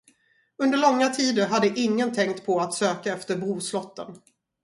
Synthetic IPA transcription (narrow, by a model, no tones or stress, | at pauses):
ɵnd̪əɭɔŋːat̪ʰiːd̪əɾɦad̪ːəʔɪŋːənt̪ʰɛŋkt̪pʰɔat̪søːkaɛft̪əɾbɾuːslɔt̪ːə̰n